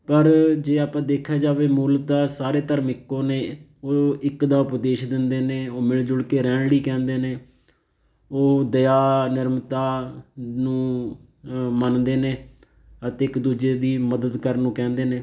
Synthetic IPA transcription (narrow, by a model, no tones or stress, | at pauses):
pəɾd͡ʒeːaːpãːd̪eːkʰaːd͡ʒaːʋeːmuːld̪aːsaːɾeːt̪əɾmɪkːõːneːoːɪkd̪aːʊpd̪eːʃd̪ɪnd̪eːneːoːmɪld͡ʒʊɽkeːɾɛ̃ːɳɽiːkɛ̃ːnd̪eːneː | oːd̪əjaːnɪɾmt̪aːnũː | mənd̪eːneː | ət̪eːɪkd̪uːd͡ʒeːd̪iːməd̪əd̪kəɾnũːkɛ̃ːnd̪eːneː